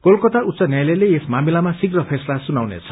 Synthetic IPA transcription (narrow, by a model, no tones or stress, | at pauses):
kolkʌt̪aut̪sʌnjajleleesmamilamasiɡrʌpʰeslasunawnḛt͡sʰʌ̥